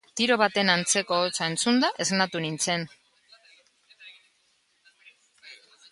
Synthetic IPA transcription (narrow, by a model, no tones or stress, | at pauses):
t̪iɾo̞βat̪e̞nant͡se̞ko̞ːt͡sae̞nt͡sund̪aʔe̞znat̪unint͡se̞n